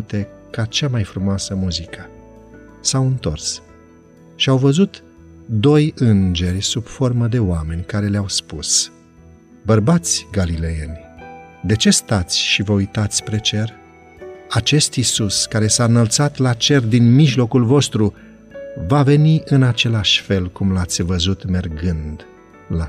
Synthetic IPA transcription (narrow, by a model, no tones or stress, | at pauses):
t̪e̞kat͡ʃamajfɾumoasəmuzikə | sawɨnt̪o̞̰rs | ʃiawvəzut̪ | d̪o̞jɨnd͡ʒe̞rʲsub̥fo̞rməd̪e̞owame̞nʲkaɾe̞leawspus | bərbat̪sʲɡalile̞jenʲ | d̪e̞t͡ʃe̞st̪at̪sʲʃivəujt̪at̪sʲpɾe̞t͡ʃe̞r | at͡ʃe̞st̪isuskaɾe̞saɨnəlt̪sat̪lat͡ʃe̞rd̪inmiʒlo̞kulvo̞st̪ɾu | vave̞niʔɨnat͡ʃe̞laʃʲfe̞lkumlat̪sʲvəzut̪me̞rɡɨnd̪ | la